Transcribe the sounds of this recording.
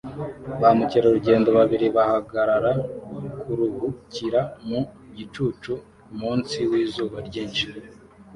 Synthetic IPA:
βamuciɾauɾuɟe̞ːndo̞βaβiɾiβahaɡaɾaɾakʰuɾuhuciɾamu | ɟit͡ʃuːt͡ʃu | muːnsiwiːzuːβaɾɟiːnʃi

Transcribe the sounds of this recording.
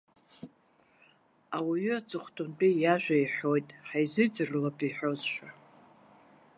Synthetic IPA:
awiɥʏat͡sʼɨχʷtʰʼʊmpʼijaʒᶣʷaiħᶣo̞jtʼħajzɨd͡zɨrlapʼiħʷᶣo̞zʃᶣa

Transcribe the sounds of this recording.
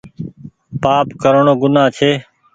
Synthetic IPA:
paːpkəɾɳoːɡʊnãːt͡ʃʰeː

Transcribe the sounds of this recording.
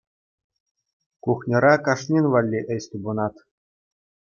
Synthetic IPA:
kuχnʲɤ̆ɾɑkɑʂnʲinʲʋɑlʲːiʔɘ̆jsʲt̪ubɤ̆nɑt̪

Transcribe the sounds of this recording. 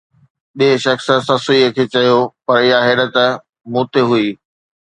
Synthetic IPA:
ɓiɦeʃɐxsə̆sɐsoiekʰeːt͡ɕɐjopɐɾɪjaɦeːɗət̪̆ | muːt̪ʰeɦuiː

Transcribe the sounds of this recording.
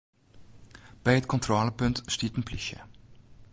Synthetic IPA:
b̥ɛjɦətkɔnt̪ɾɔːləpɵntstiːtənplʏçə̰

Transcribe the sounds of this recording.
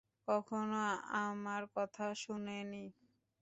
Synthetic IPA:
kɔkʰonoamaɾkɔt̪ʰaʃuneni

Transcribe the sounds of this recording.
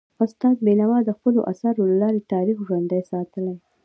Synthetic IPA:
ʊst̪ɑt̪̚benawɑd̪əxpəlo̰ʔa̰saɾolalɑɾet̪ɑɾixʒwand̪ajsɑt̪əlaj

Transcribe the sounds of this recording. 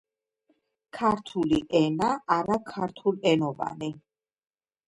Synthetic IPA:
kʰaɾt̪ʰuliʔɛnaːɾakʰaɾt̪ʰulɛnɔva̰ni

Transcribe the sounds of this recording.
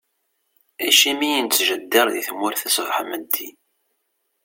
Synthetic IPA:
æʃimijənt͡sːʒəd̪ːəɾˤðiθmːʊɾθæsvħməd̪ːi

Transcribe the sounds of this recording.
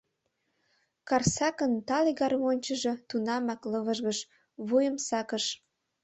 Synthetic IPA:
kɑrsɑkənt̪ɑliɣɑrmonʲt͡ɕəʒe̽t̪unɑmɑkləβəʒɣəʃ | βujəmsɑkəʃ

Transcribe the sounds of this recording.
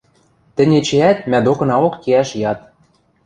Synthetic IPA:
t̪ɘ̆nʲet͡ɕeæt̪̚mæd̪okɤ̆nɑokːeæʃjɑt̪̚

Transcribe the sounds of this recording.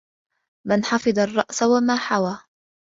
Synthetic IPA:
manħɑfɨd̪ˤɑrˤːɑʔsawamaːħawaː

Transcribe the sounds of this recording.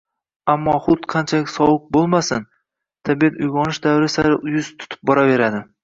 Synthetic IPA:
amːɒχʊt̪qʰɑnt͡ʃʰalɪkʲsɒwʊq̚bolˠmasɪn | t̪ʰabijat̪ʊjɡɒnɪʃd̪awɾɪsaɾɪʔʊjʊzt̪ʰʊ̥t̪ʰɪ̥p̚bɒɾave̞ɾad̪ɪ

